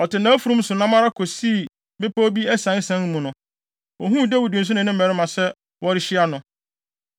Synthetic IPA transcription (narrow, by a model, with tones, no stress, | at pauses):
ɔ˨tɪ˨nã˦fu˨ɾũ˦m˦sʊ˨nã˦mã˦ɾa˦kʰo˨siː˦˨ | bɪ˦po˦bi˦ɛ˦sã˨˦sã˦ŋ˦mũ˨nʊ̃˨ | wɔ˨ɦũ˦˨dɛ˦wu˨dĩ˨n̩˨s̬ʊ˦nɪ̃˨nɪ̃˦m˦˨ɛ˨ɾɪ˦mã˨sɛ˦ | wɔ˦ɾɪ˦ɕɪ˦a˦nʊ̃˨